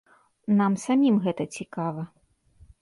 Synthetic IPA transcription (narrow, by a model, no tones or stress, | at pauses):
namsamʲimɣɛt̪ɐt͡sʲikavɐ